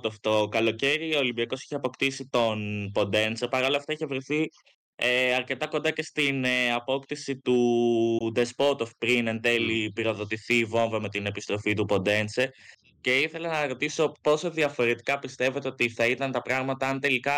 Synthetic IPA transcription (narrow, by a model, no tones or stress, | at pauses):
t̪oft̪o̞kɐlo̞ce̞ɾioːlimbiɐko̞si̥çeɐpo̞kt̪isit̪o̞npo̞nd̪e̞nt͡sepɐɾɐoloɐft̪ɐiçevɾiθi | eɐɾce̞t̪ɐko̞nd̪ɐce̞st̪inɐpo̞kt̪isit̪u | d̪e̞spo̞t̪ofpɾinent̪e̞lipiɾo̞ðo̞t̪iθiːvo̞ɱveme̞t̪ine̞pist̪ɾo̞fit̪upo̞nd̪e̞nt͡se | ce̞iθe̞lɐnɐɾo̞t̪iso̞po̞so̞ðiɐfo̞ɾe̞t̪i̥kɐpist̪e̞vet̪eo̞t̪iθɐit̪ɐnt̪ɐpɾɐɣmɐt̪ɐɐnt̪e̞likɐ